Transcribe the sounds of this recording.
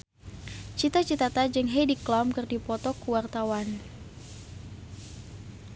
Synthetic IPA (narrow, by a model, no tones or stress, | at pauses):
t͡ʃit̪at͡ʃit̪at̪ad͡ʒɨŋɦediklɔmkɨrdipɔt̪ɔkuwart̪awan